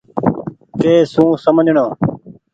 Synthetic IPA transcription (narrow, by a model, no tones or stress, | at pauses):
t̪eːsũːsəmd͡ʒʱɳoː